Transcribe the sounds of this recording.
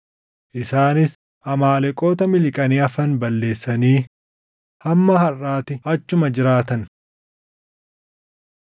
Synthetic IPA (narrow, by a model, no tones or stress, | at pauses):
ʔɪsaːnɪs | ʔɐmaːlɛkʼo̞ːt̪ɐmɪlɪkʼɐniːɐfɐnbɐlːe̞ːsːɐniː | hɐmːɐhɐrːaːt̪ɪɐt͡ʃːʊmɐd͡ʒɪɾaːt̪ɐn